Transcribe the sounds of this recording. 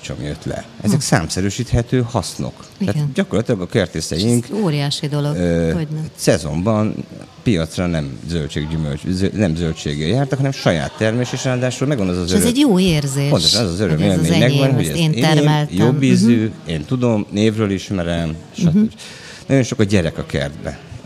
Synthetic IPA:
t͡ʃo̰mjøt̪lɛ̰ʔɛzɛksa̰ːmsɛɾyːʃiːt̪hɛt̪øːhɒsno̞̰kt̪aːɟɒkorlɒt̪ilɒɡɒkert̪eːsɛjiŋkoːɾijaːʃid̪olo | sɛzo̞̰mbɒn | pijɒt̪srɒnɛmzølt͡ʃḛːɡɟymø̰lønɛmzølt͡ʃḛːɡɛljaːrt̪ɒkhɒnɛmʃɒja̰ːt̪ːɛrmeːʃeːʃraːd̪aːʃulmɛɡvɒnɛzɒzøɾzɛɟjoːeːrzeːo̞nt̪oʃɒnɛzɒzøɾømmeːlmmeːɲɛɡbɛnɦoɟɛ̰ːnːmɛltjobiːzyːeːnt̪ud̪o̞mneːvrøːliʃmɛɾɛmeʃɒt̪ø | nɒɟo̞nʃo̞kɒɟɛɾɛkɒkɛ̰rd̪bɛ̰

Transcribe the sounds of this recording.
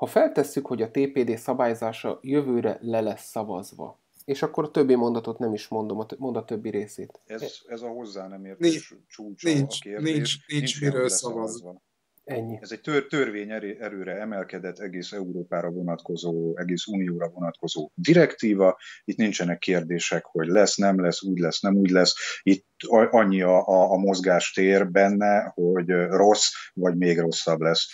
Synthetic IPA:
hɒfɛlt̪ɛsːykho̞ɟɒt̪eːpeːd̪eːsɒbaːjozaːʃɒ̰jø̞vøːɾɛ̰lɛlɛsːɒvɒ̰zʋɒ̰ | eːʃɒkːo̞ɾɒt̪øbːimo̞nd̪ɒt̪o̞t̪nɛmiʃmo̞nd̪o̞mɒmo̞nd̪ɒt̪øbːiɾeːsḛːt̪ɛzɛzɒho̞zːaːnɛmeːrnʃt͡ʃuːt͡ʃ̪ːkeːrd̪ieːt͡ʃʃniint͡ʃt͡ʃiɾøːsɒvɒzɒ | ɛiɛzɛɟ̚t̪øt̪ørveːɲɛɾɛɾøːɾɛɛmɛlkɛd̪ɛt̪ːɛɡeːsɛuɾoːpaːɾɒvo̞nɒt̪ko̞zoːɛɡeːsuːnijoːɾɒvo̞nɒt̪ko̞zoːd̪iɾɛkt̪iːvɒit̪nint͡ʃɛnɛkːeːrd̪eːʃɛkho̞ɟlɛsnɛmlɛsuːɟlɛsnɛmuːɟlɛsit̪ʔɒɲːiɒʔːmo̞zɡaːʃt̪eːrbɛnːɛho̞ɟro̞svɒɟmeːɡro̞sːɒblɛs

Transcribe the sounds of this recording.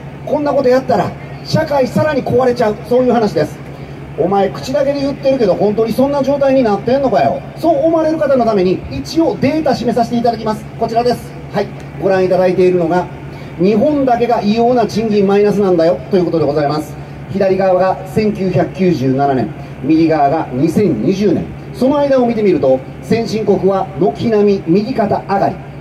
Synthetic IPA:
kõ̞nːako̞t̪o̞jat̪ːaɾa | ɕakaisaɾaɲ̟iko̞βaɾe̞t͡ɕaɯ̟so̞ːjɯ̟ːɦanaɕid̪e̞sɨ̥ | o̞mae̞kɯ̟̥t͡ɕid̪ake̞d̪ejɯ̟t̪ːe̞ɾɯ̟ke̞d̪o̞ɦõ̞nt̪o̞ːɲ̟isõ̞nːad͡ʑo̞ːt̪aiɲ̟inat̪ːẽnːokajo̰so̞ːmaɾe̞ɾɯ̟kat̪ano̞t̪ame̞ɲ̟iit͡ɕio̞d̪e̞ːt̪aɕime̞saɕi̥t̪eit̪ad̪akʲimasɨ̥ko̞t͡ɕiɾad̪e̞sɨ̥ | hai | ɡo̞ɾãɰ̃it̪ad̪ait̪e̞iɾɯ̟no̞ɡa | ɲ̟iɦõ̞nd̪ake̞ɡaʔijo̞ːnad͡ʑĩɲɡʲĩmːainasɨnãnd̪ajo̞t̪ːojɯ̟ko̞t̪o̞d̪e̞ɡo̞zaimasɨ̥ | çid̪aɾʲiɡaːβaɡasẽ̞ŋkʲɨːçakɯ̟kʲɨːʑɨːnananẽ̞̰ŋ | mʲiɡʲiɡaβaɡaɲ̟isẽ̞ɲɲiʑɨːnẽ̞̰ | so̞no̞aid̪ao̞mʲit̪e̞mʲiɾɯ̟t̪o̞ | sẽ̞ɰ̃ɕĩŋko̞kɯ̟βano̞kʲinamʲimʲiɡʲikat̪aːɡaɾʲḭ

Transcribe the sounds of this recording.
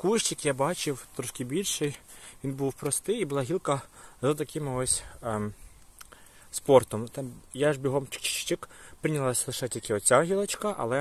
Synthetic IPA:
kuʃt͡ʃɪkjabɑt͡ʃɪwt̪ɾɔʃkɪbʲilʲʃɪjʋʲinbuwpɾɔst̪ɪjibʊlˠɑɦʲilˠkɐzɐt̪ɐkɪmɪɔsʲ | spɔrt̪ɔmt̪ɑjaʒbʲiɦɔmt͡ʃɪ̥kt͡ʃɪ̥t͡ʃt͡ʃɪkpɾɪnʲɐlˠasʲlˠɪʃɛtʲilʲkɪɔsʲaɦʲilˠɐt͡ʃkɐʔɐ̰lˠɛ

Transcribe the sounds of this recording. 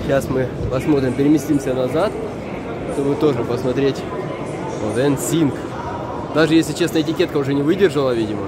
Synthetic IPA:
ɕasmɨpɐsmo̞t̪ɾʲɪmpʲɪɾʲɪmʲɪsʲtʲimsʲənɐzat̪ | ʂt̪o̞bɨt̪o̞ʐɨpəsmɐt̪ɾʲetʲ | ot̪ɛnsʲink | d̪aʐɨjesʲlʲɪt͡ɕe̞snjəɪtʲɪkʲe̞t̪kəʊʐɛnʲɪvɨdʲɪrʐəlˠəvʲidʲɪmə

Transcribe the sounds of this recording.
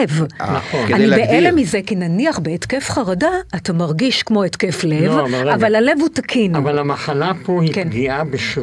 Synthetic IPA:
vnaχoannibeʔelemizekinaniaχbeetkefχaʁadaːtamaʁɡiʃkmo̞etkeflevavalhale̞vhutakʰinavalamaχalapohikenɡiabeʃ

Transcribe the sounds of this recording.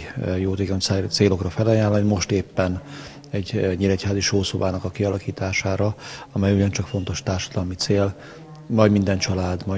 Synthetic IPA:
joːt̪eːkoɲt̪seːlo̞krɒfɛlɒjaːlːɒnimo̞ʃt̪eːpːɛn | ɛɟɲilɛchaːziʃoːso̞baːnɒkɒkiɒlɒkiːt̪aːʃaːɾɒɒmɛjuɟɒnt͡ʃɒkfo̞nt̪o̞ʃt̪aːrʃɒ̥d̪ɒlmit̪seːl | mɒɟmind̪ɛnt͡ʃɒlaːd̪mɒ

